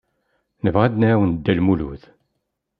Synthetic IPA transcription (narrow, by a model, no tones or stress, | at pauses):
nəvʁad̪naɾawənd̪ːælmulṵθ